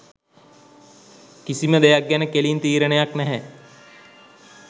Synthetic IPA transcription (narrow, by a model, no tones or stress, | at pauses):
kisiməd̪ejak̚ɡænəkeliːnt̪iːɾənejaknɛɦɛ